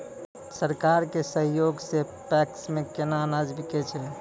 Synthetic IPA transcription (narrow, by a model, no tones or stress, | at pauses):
səɾkaɾkesəɦjoɡse | pɛksmekenanad͡ʒbiket͡ʃʰɛ